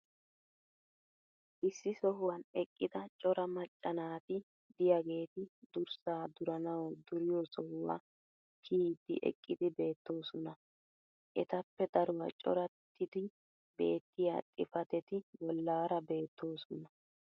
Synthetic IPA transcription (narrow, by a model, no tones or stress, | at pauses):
ʔɪsːɪsɔɦʊwɐnɛkʼːɪd̪ɐt͡ʃʼɔɾɐmɐt͡ʃʼːɐnaːt̪ɪ | d̪ɪjaɡe̞ːt̪ɪd̪ʊɾsaːd̪ʊɾɐnɐwd̪ʊɾɪjosɔhʊwa̰ | kʰiːd̪ɪ̰ʔɛ̰kʼːɪd̪ɪbe̞ːt̪ːo̞ːsɔnɐ | ʔɛt̪ɐpːɛd̪ɐɾʊwɐt͡ʃʼɔ̰ɾɐt̪ʰːɪd̪ɪ | be̞̰ːt̪ːɪja̰ːt̪ʼɪ̰fɐt̪ɛt̪ɪwɔlːaːɾɐbe̞ːt̪ːoːsɔnɐ